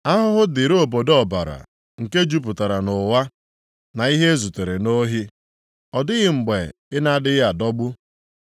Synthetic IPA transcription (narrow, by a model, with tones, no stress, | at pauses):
a˦ɦʊ˦ɦʊ˦dɪ˨ɾo˦o˨bo˨dɔ˨ba̰˨ɾa̰˨ | ŋ̩˨ke˦d͡ʒu˦p̬ʊ˨ta˨ɾa˨nʊ˨wa˦ | na˨i˦ɦe˦zu˨te˨ɾe˨no˦ɦi˦ | ɔ˨dɪ˦ɣɪ˦ŋ͡m̩˨ɡ͡be˨ | ɪ˦na˦˨dɪ˦ja˨dɔ˦ɡ͡bʊ˦